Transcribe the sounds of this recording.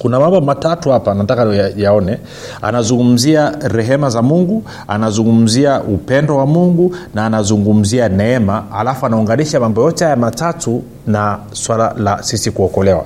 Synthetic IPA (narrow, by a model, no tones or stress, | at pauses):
kunamambɔmatatuhapanatakajaɔnɛ | a̰nazuŋɡum̩ziaɾɛɦɛmazamuŋɡu | a̰nazuŋɡum̩ziaʔupɛndɔwamuŋɡunaːnazuŋɡum̩zianɛɛmaːlafuanauŋɡaniʃamambɔjɔtɛhajamatatu | na | swala̰lasisikuɔkɔlɛwa̰